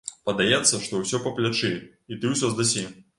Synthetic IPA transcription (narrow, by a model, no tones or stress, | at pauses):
pɐd̪ajɛt̪sːɐʂt̪ɔwsʲɔpɐplʲat͡ʂɨ | it̪ɨwsʲɔzd̪asʲi